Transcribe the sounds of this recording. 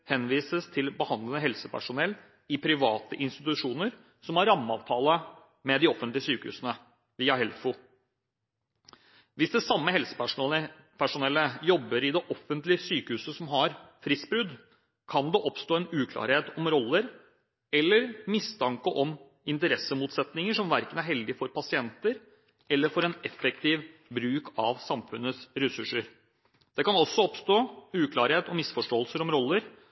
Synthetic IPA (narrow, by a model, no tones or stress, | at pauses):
hɛnʋiːsəst̪ʰɪlbəhɑnd̪lənəɦɛlsəpʰæ̰ʂʊnɛlː | ɪpʰɾɪʋɑːt̪əʔɪnst̪ɪt̪ʉʂuːnəɾ | sɔmhɑɾɑmːɑ̰ːʋt̪ʰɑːlə | mɛd̪ɪɔfːənt̪lɪəsyːkəhʉ̰ːsənə | ʋiːɑhɛlfʊ | ʋɪsd̪ɛsɑmːəɦɛlsə̥pæʂə | pʰæʂʊnɛlːəjɔbːəɾɪd̪ɛʔɔfənt̪lɪəsyːkəhʉːsəsɔmɦɑɾfɾɪsbɾʉd̪ | kʰɑnd̪ɛʔɔpst̪oːɛnʉːkʰlɑ̰ːɾheːt̪ɔmɾɔlːəɾ | ɛlːəɾmɪst̪ʰɑŋkəʔɔm | ɪnt̪əɾɛsəmuːt̪sɛt̪nɪŋəʂɔmʋæɾkənæɾhɛld̪ɪfɔɾpɑsɪɛnt̪əɾ | ɛlːəɾfɔɾɛnɛfɛk̚t̪ɪːʋbɾʉːkʰɑʋsɑmfʉnːəsɾɛsʉʂːəɾ | d̪̥ɛkɑnɔsːɔɔpst̪oːʉːkʰlɑːɾheːt̪ɔmɪsfɔʂʈoːəlsəɾɔmɾɔlːəɾ